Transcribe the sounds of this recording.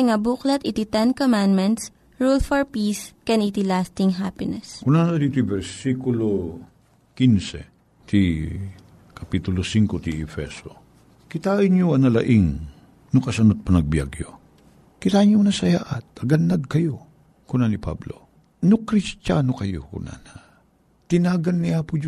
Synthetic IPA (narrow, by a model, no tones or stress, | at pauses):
ŋabuklɐt̪ʔit̪it̪ɛnkomãnmɛ̃nt̪s | ɹulfɔɹpiskɛnit̪ilast̪ɪŋɦapɪnɛskʊnanɐd̪iːt̪ojbɛɾsikʊlo | kinsɛ̰ | t̪ʰi | kɐpit̪ʊlosiŋkot̪iʔɛfɛso̰ | kɪt̪aːʔɪɲoɐnɐlɐ̰ʔiŋ | nʊkɐsɐnot̪̚pɐnɐɡ̚bja̰ɡjo̰ | kɪt̪aɲonɐsɐjaʔɐt̪̚ɐɡad̪ːɐɡ̚kɐjo | kʊnanipa̰blo̰ | nokɾɪst͡ʃanokɐjo̰kʊ̰nʔa̰na | t̪ɪnaːɡɐnːiaːpʊd͡ʒ